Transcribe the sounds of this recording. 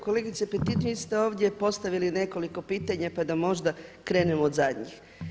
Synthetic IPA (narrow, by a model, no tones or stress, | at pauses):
ko̞le̞ɡit̪sepet̪it̪ʋist̪eo̞ːʋd̪ʲje̞po̞st̪aʋiline̞ko̞liko̞piːt̪aɲapad̪amo̞ʒd̪akɾe̞ːne̞moːd̪zad̪ɲix